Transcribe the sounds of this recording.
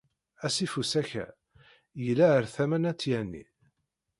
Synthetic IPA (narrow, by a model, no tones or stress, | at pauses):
æsifusæçæ̰ | jəlːæəɾθæmænæt͡sːjænːḭ